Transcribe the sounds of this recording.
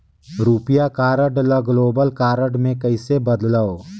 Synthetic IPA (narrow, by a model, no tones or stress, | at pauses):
ɾuːpɪjakaːɾəɖləɡloːbəlkaːɾəɖmẽkɐɪsebɐd̪laoː